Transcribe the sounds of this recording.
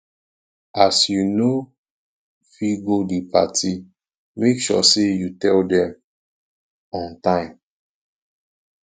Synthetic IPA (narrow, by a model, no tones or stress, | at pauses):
ʔasjuno | fiɡodipa̰tʰi | mekʃɔ̰sejutɛldɛ̃m | ɔ̃ntãɪ̃m